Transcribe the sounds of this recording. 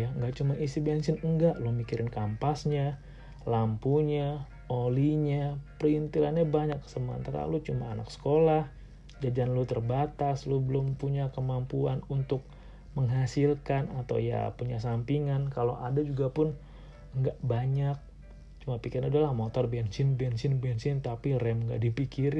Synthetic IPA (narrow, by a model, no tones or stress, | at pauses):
jaŋɡaʔt͡ʃumaʔisibiansɪnəŋɡaʔlumikiɾɪnkampasɲa | lampuɲa | oliɲapərint̪ilanɲabaɲakːə̥səmaa̰nt̪əɾa̰lut͡ʃuma̰ːna̰ksə̥kolah | d͡ʒad͡ʒanlut̪ərbat̪aslubəlʊmpuɲakəmampuanunt̪ʊk̚ | məŋɦasilkanat̪a̰wja̰puɲasampiŋankalo̰ʔadad͡ʒuɡapʊn | ŋɡaʔbaɲak̚ | t͡ʃumapikiɾanadalahmot̪ɔrbɛnsɪnbɛnsɪnbɛnsɪnt̪apirɛmŋɡa̰ʔdipikiɾ